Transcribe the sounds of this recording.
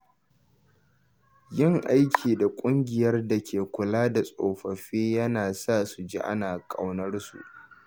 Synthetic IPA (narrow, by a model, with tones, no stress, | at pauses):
jɪ˦˨ŋʔa˦jkʲʰiː˨da˨kʷʼʊ˦ŋɡʲɪ˨jɐ˦rda˨kʲʰeː˨kʷʊ˨laː˦da˨sʼo̰ː˨ɸɐ˨ɸiː˦jɐ˦naː˨sa˦˨su˨d͡ʒḭ˦ʔa̰˦naː˨kʼa̰˨wnɐ˦rsṵ˨ʔ